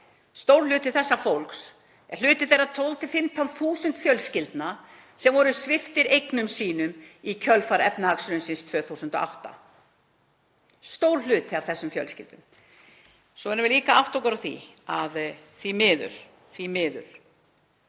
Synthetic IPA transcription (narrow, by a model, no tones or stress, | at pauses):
st̪owɾlʏːt̪ɪ̥θɛsːafowlks | ɛɾ̥l̥ʏːt̪ɪθejɾːat̪ʰowðt̪ʰɪfɪmt̪ʰawnθuːsʏnt̪fjœlscɪlt̪na | sɛmvɔɾʏsvɪft̪ɪɾejknʏmsiːnʏmicʰœlfaɾɛ̰pnɪhaksʏɾʏnsɪnst̪ʰvœːθuwsʏnt̪ɔ̰ʔa̰wht̪a̰ | st̪owɾ̥lʏːt̪ɪavθɛsːʏmfjœ̰lskcɪ̰lt̪ʏm | sɔɛɾɾvɪliːkaawht̪ɔkɔɾawθḭ | aðθimɪːðʏ̰l̥ | θimɪːðʏ̰l̥